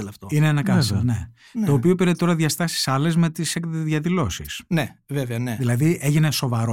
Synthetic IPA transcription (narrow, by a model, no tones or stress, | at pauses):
leɐft̪oineenɐkɐsne̞ | t̪o̞ːpio̞piɾet̪o̞ɾɐðʝɐst̪ɐsi̥sɐle̞zme̞t̪isektt̪zðʝɐðilo̞sḭsneveveɐneðilɐðie̞ʝine̞so̞vɐɾo